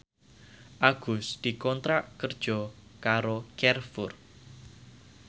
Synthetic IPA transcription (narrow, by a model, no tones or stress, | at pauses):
ʔaɡ̥ʊsd̪̥i̤kɔnt̪ɾaʔkərd̥ʒ̥ɔ̤kaɾokɛrfʊr